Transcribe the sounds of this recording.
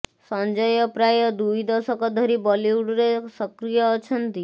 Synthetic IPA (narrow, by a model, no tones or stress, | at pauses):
sə̃nd͡ʒəjəpɾajəd̪uid̪əsɔkɔd̪ʱəɾibɔliuɽɾesəkɾijəːt͡ʃʰənt̪i